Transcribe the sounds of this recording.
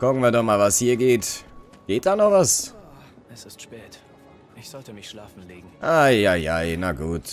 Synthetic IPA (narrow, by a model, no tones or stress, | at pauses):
kʊkŋ̩viːɐdɔχmaːlvashiːɐɡeːt | ɡ̥eːt̚d̥aːnɔχvas | ʔɛsɪstʃpɛːt | ʔɪçz̥ɔltəmɪçʃlaːfn̩liːɡŋ̩ʔaaɪjaɪnaɡuːt